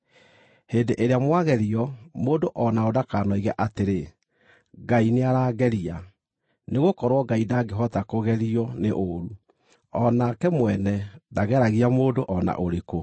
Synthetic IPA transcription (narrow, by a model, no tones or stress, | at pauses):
heːndeʔeɾeamwaɣɛɾiɔmoːdoʔɔnaodakaːnɔiɣɛʔateɾe | ɡaineaɾaːɡɛɾia | neɣokɔɾwɔɡaidaɡeɦɔtakoɣɛɾiɔneʔoɾu | ɔnakɛmwɛnɛdaɣɛɾaɣiamoːdoʔɔna̰ʔoɾeko